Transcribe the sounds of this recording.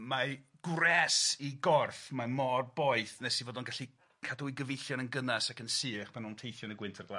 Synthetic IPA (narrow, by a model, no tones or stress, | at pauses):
ma | ɡ̥rɛsiɡɔrfmamɔrbɔɨθnɛsivoːdɔnɡaɬi | kʰaduwiɡəvejɬjɔnənɡənasakənsɨːχpanuntʰejθjɔnəɡwɪntʰarɡla